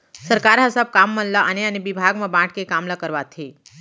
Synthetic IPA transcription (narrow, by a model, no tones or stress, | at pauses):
səɾkaɾɦəsab̚kamːənlaʔañeañibibʱaɡməbãʈʰkekamlakəɾʋat̪ʰe